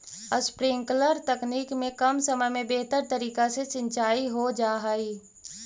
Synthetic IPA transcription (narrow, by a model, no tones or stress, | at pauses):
əspɾɪ̃ŋkləɾt̪ɐkniːkmẽkɐmsəməjmẽbeɦt̪əɾt̪əɾiːkaset͡ʃɪ̃nt͡ʃaːiɦod͡ʒaːɦaiː